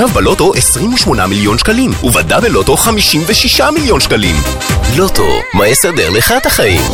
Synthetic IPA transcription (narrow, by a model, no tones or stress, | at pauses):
avbalo̞t̪o̞ʔesʁimuʃmo̞na̰miljo̞nʃkalimuvadabelo̞t̪o̞χamiʃimveʃiʃamiljo̞nʃkalḭm | lo̞t̪o̰majesad̪eʁleχataχaḭm